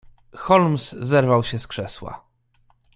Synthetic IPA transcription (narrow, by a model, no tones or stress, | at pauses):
xɔlmszɛɾvawɕɛskʂɛswa̰